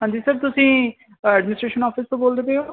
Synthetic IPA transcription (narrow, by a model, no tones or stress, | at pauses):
ɦãːɲd͡ʒiːsəɾb̚t̪ʊsĩː | ɛːɖmɪnɪsʈɾeːʃənɔːpʰist̪õboːld̪eːbeːoː